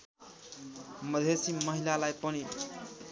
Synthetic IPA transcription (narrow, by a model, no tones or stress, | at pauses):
mʌd̪ʱesimʌɦilalajpʌni